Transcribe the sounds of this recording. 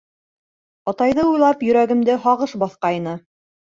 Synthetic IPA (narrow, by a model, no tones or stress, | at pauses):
ɑt̪ɑjðɤujlˠɑpjɵ̆ɾæɡɘ̆md̪ɘɦɑʁɤʃbɑθqɑjnɤ